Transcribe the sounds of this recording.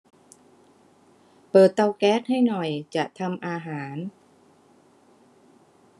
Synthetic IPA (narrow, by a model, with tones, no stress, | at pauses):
pɤː˨˩t̪ːa˧wkɛː˦˥˩t̪̚ha˥˩jnɔ˨˩jt͡ɕa˨˩ʔt̪ʰa˧mʔaː˧ɦaː˩˦n